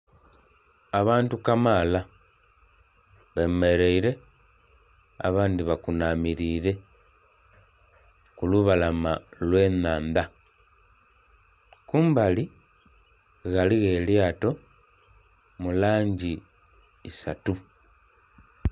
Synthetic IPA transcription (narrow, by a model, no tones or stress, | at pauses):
aβaːntukamaːla | βeme̞ɾe̞iɾe̞ | a̰βaːndiβakunamiɾiːɾe̞ | kuluβalamalwe̞ːnaːnda | kuːmbali | ɣaliɣe̞ːljaːto̞ | mulaːɲɟiː | satu